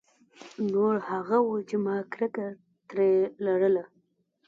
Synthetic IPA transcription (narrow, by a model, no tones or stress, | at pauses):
noɾhaɣawut͡ʃemɑkɾɪkaɾ | t̪ɾelaɽəla